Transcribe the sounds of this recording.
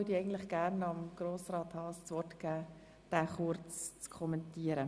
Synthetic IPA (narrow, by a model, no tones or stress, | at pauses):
ədiɛɪɡntlɪχɡ̥æːrnɑmɡ̥roːsrɑːt̪hɑːst͡sʋɔrtkæː | d̥æːχʊɾt͡st͡skʰɔmɛntiːəɾə